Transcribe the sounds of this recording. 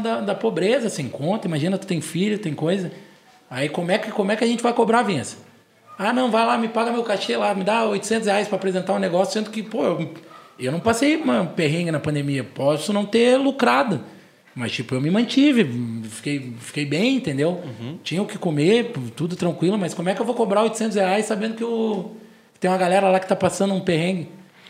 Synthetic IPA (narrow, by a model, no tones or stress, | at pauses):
d̪ɐd̪ɐpobɾezɐsẽj̃kõnt̪ɐimaʒĩnɐt̪u̥t̪ẽj̃fiʎʊt̪ẽj̃kojzɐ | aikõmʊɛkɪkõmʊɛkɪɐʒẽnt͡ʃɪvajkobɾavẽsɐ̥ | anɐ̃w̃vajlamɪpaɡɐmewkaʃelamɪd̪aojt̪ʊsẽnt̪ʊsheajspɾɐapɾezẽnt̪aʊ̃neɡɔsjʊ̥sẽnd̪ʊkɪpoewewnɐ̃w̃pasejũmɐpeɦẽɪnɐpɐ̃d̪emiɐpɔsʊnɐ̃w̃t̪elukɾad̪ʊ | mɐst͡ʃipʊewmɪmɐ̃t͡ʃivɪfi̥kejfi̥kejbẽj̃ĩnt̪ẽnd̪ewt͡ʃĩɲɐʊkɪkomepʊt̪ud̪ʊt̪ɾɐ̃ŋkwilʊmɐskõmʊɛkɪewvokobɾaojt̪ʊ̥sẽnt̪ʊsheajssabẽnd̪ʊkɪʊ | t̪ẽj̃ɐɡalɛɾɐlakɪ̥t̪apasɐ̃nd̪ʊũpehẽɡɪ